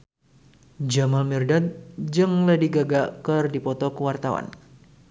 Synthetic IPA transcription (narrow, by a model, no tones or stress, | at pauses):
d͡ʒamalmirdat̪̚d͡ʒɨŋlədiɡaɡakɨrdipɔt̪ɔkəwart̪awa̰n